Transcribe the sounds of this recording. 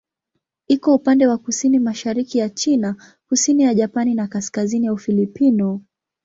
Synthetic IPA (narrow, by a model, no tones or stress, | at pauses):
ikɔupandɛwakusinimaʃaɾikijat͡ʃina | kusinijaʄapaninakaskazinijaufilipinɔ